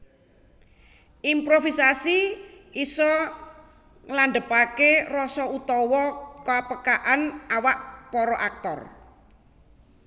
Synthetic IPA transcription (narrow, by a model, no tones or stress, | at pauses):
ʔimpɾofisasiisɔ | ŋlaɳɖ̪əpakerɔsɔut̪ɔwɔkapəkaʔanawaʔpɔɾɔʔak̚t̪ɔ̰r